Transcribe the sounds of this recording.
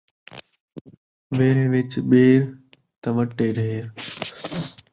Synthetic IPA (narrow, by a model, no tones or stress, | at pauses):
ʋeːɾʋɪt͡ʃɓeːɾ | t̪ɐʋəʈːeːɖʱɦeːɾ